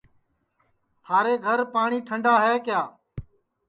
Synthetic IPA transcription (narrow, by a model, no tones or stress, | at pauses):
t̪ʰaːɾeːɡʱəɾpaːɳ̃iːʈʰəɳɖaːɦɛːkjaː